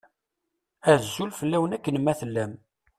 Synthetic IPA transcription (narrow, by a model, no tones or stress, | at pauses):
æzːulfəlːæwənækːənmːæθəlːæm